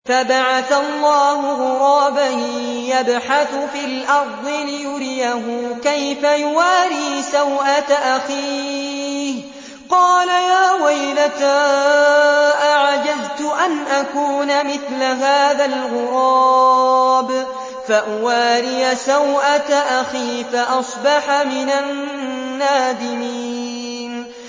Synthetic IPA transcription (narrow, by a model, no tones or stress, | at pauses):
fabaʕaθalˤːɑːhʊɣʊɾˤɑːbahjabħaθʊfiːlʔɑɾˤd̪ˤɨlɪjʊɾɪjaɦʊkajfajʊwaːɾiːsawʔat̪aʔaxiː | h | qɑːlajaːwajlat̪a | ʔaʕad͡ʒazt̪ʊʔanʔakuːnamɪθlaɦaːðalɣʊɾˤɑ | b | faʔʊwaːɾɪjasawʔat̪aʔaxiːfaʔɑsˤbɑħamɪnanː | aːd̪ɪmiː | n